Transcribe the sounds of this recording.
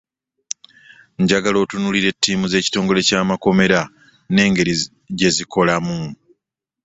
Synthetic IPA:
ɲɟaɡalo̞ːtunuliɾe̞tːiːmuze̞ːci̥to̞ːŋɡo̞le̞caːmako̞me̞ɾa | ne̞ːŋɡe̞ɾi | ɟe̞zikʰo̞lamu

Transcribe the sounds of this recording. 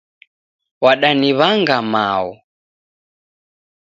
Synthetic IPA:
waɗaniβaŋɡama̰ɔ

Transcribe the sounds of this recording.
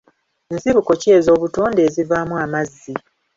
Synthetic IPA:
nsiβuko̞ce̞zo̞ːβutoːndeːzivamuamazːi

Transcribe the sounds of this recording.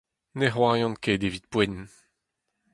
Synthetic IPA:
neɦwaːjɑ̃nkeːd̪evit̪̚pwɛn

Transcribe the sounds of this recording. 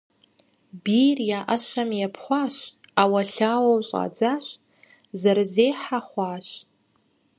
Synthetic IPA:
birjaʔaʃʷamjapʰχʷaʃʷ | awaɬawawɕʼa̰d͡zaʃʷ | zarzejħaχʷaʃʷ

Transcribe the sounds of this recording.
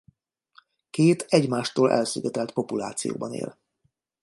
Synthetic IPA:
keːt̪ɛɟmaːʃt̪oːlʔɛ̰lsyɡɛt̪ɛlt̪po̞pula̰ːt̪sijo̰ːbɒnḛːl

